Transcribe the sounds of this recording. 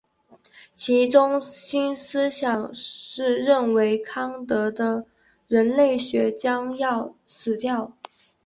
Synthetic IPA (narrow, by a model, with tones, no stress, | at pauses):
t͡ɕʰi˧˥ʈ͡ʂʊ˥ŋɕi˥nsɹ̩˥ɕjɑ˨˩ŋʂɻ̩˥˧ɻə˥˩nwe˧˥ɪkʰɑ˥ŋt̪ɤ˧˥d̪ə˧ | ɻə˧˥nle˥˩ɪɕɥɛ˧˥t͡ɕjɑ˥ŋjɑ˥˩ʊsɹ̩˨˩t͡ɕjɑ˥˩ʊ